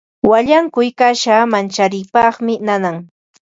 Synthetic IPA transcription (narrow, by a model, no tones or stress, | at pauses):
waʎaŋkʊjkaʃamant͡ʃaɾɪjpɑχmɪnanaŋ